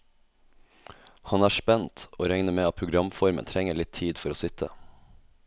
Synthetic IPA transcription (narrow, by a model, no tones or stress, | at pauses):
hɑnæːʂpɛnt̪oːɾɛŋnəmeːɑt̪̚pʰɾʊɡɾɑmfɔɾmə̰nt̪ʰɾɛŋəɭɪt̪ʰiːd̪fɔɾoːsʏt̪ʰə̰